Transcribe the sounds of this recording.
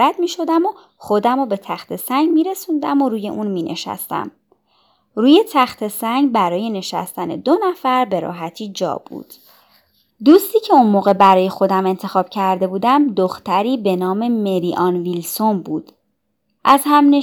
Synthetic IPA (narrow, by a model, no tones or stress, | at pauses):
æd̪miːʃo̞d̪æmo | χo̞d̪æmobe̞t̪ʰæxt̪ʰe̞sæŋɡmiːɾe̞sund̪æmoɾuːje̞̰ʔunmiːnʔḛʃæ̰st̪æ̰m | ɾuːje̞t̪ʰæxt̪ʰe̞sæŋɡbæɾɒːje̞ne̞ʃæ̰st̪æne̞̰d̪o̞næfæɾbe̞ɾɒ̰ːɦæt̪ʰiːd͡ʒɒ̰ːb̥ṵːd̪̥ | d̪uːst̪iːcʰe̞unmoːɣe̞bæɾɒːje̞xo̞d̪æme̞nt̪ʰe̞xɒːb̥cʰæɾd̪e̞buːd̪æmd̪oxt̪æɾiːbe̞nɒːme̞me̞ɾiʔɒnvilso̞nbuːd̪̥ | ʔæzhæmne